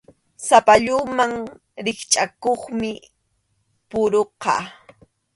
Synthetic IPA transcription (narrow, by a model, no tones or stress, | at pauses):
sapaʎʊmaŋ | ɾɪχt͡ʃʼakoχmɪ | pʊɾoqɑ̰